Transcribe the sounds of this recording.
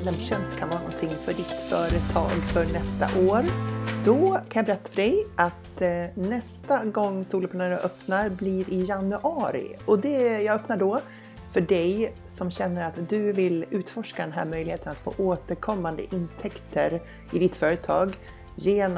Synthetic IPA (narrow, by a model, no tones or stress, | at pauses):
ɛmɕɛnst̪kʰanvɑːɾanɔnt̪ʰɪŋːfœɖɪt̪fœːɾət̪ʰɑ̰ːɡfœɳɛst̪a̰ʔoːɾd̪ɔkʰanjɑbɛɾɛt̪ːḁfœɖɛjʔat̪nɛst̪aɡɔŋːsuːlɔpʰaɳaːɾaʔœpnaɾblɪɾʔɪjanʉʔɑːɾɪ̰ɔd̪ɛjɑːɡœpnaɖɔ | fœɖɛj | sɔmɕɛnːəɾat̪d̪ɵvɪlʉ̟ːt̪fɔʂkad̪ɛnɦæ̰ːɾmœjlɪheːt̪ənat̪fo̰ːʔoːt̪əɾkʰɔmːand̪ə̰ʔɪnt̪ʰɛkt̪ʰəɾ | ɪd̪ɪt̪fœːɾət̪ʰɑːɡ | jeːn